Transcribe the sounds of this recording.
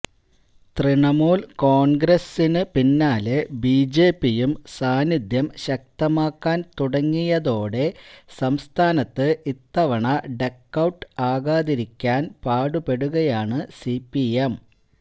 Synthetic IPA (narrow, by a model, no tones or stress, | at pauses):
t̪riɳɐmuːlko̞ːɳɡɾɐsinɨpinːaːlebid͡ʑe̞ːpːijumsaːnid̪jɐmɕɐk̚t̪ɐmaːkːaːnt̪uɽɐŋːijɐðo̞ːɽe̞sɐmst̪ʰaːnɐt̪ːɨʔit̪ːɐʋɐɳɐɖe̞kːɐwʈːɨaːɣaːðiɾikʲːaːnpaːɽupeɽuɣɐjaːɳɨsipːiem